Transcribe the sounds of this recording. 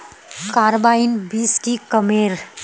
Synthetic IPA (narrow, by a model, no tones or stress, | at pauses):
kaɾəbainbiːsʈikəmeːɾ